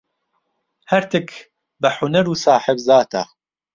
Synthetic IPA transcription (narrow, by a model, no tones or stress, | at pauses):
hɐɾt̪ɪkʰ | bɐħʊnɐɾuːsaːħɪbzaːt̪ʰa̰